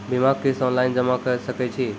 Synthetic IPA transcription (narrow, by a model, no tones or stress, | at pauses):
bɪmaɡ̚kesɔ̃nlaɪnd͡ʒəmakəɾsəkɛt͡ʃʰi